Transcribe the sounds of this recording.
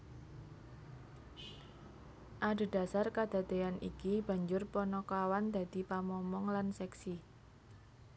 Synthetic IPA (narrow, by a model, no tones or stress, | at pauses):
ʔaɖ̪̥e̤d̪̥a̤sarkad̪̥a̤d̪eanʔikib̥ä̤ɲd͡ʒʊrpɔnɔkawand̪̥ä̤d̪̥i̤pamɔmɔŋlansɛksi